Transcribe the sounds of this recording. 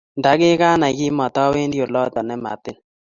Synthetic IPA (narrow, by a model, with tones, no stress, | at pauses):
nda˨˦ɡɪ˦ka˦na˨kɪ˦mɔ˨tɔ˦we˦ndjo˨lɔ˦t̪ɔ˨nɛ˦ma̰˨tɪ˦n